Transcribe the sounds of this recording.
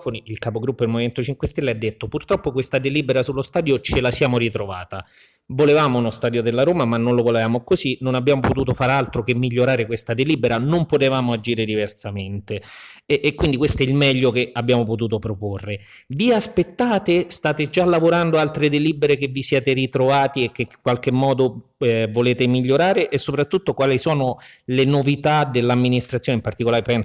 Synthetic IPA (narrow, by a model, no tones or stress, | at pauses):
foniilkapoɡɾupːoelmoviment̪ot͡ʃiŋkwest̪elːead̪ːet̪ːopurt̪ɾɔpːokwest̪ad̪eliːbeɾasulːost̪aːd̪jot͡ʃelasjaːmoɾit̪ɾova̰ːt̪a | volevaːmounost̪aːd̪jod̪elːaɾoːmamanːonlovolevaːmokozinonabːjaːmopot̪̬uːt̪̬ofaːɾealt̪ɾokemːiʎːoɾaːɾekwest̪ad̪eliːbeɾanompot̪evaːmoad͡ʒiːɾed̪iversament̪e | ʔːkwind̪ikwest̪oɛilmɛʎːok̟eabjaːmop̬ot̪̬uːt̪opɾoporːe | viaspet̪ːaːt̪est̪aːt̪ed͡ʒalːavoɾand̪oalt̪ɾed̪elibeɾekevːisjɛːt̪erit̪ɾovaːt̪iek̟ːeŋkwalk̟emːɔːd̪o | voleːt̪emiʎːoɾaːɾeʔːsːopɾat̪ːut̪ːokwaːlisɔːnolenovit̪ad̪elːamːinist̪ɾat̪sjoːneimpart̪ikolaːɾepɛn